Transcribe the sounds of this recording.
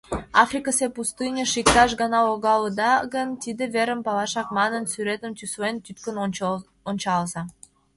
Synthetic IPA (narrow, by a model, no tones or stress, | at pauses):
ɑfrʲikəsepust̪ɨnʲeʃik̚t̪ɑʃɣɑnɑoɣɑləd̪ɑɣənt̪id̪ĕveɾə̆mpɑlɑʃɑk̚mɑnə̆nsyɾet̪ə̆mt̪ysoent̪yt̪kən | onʲt͡ɕɑlzɑ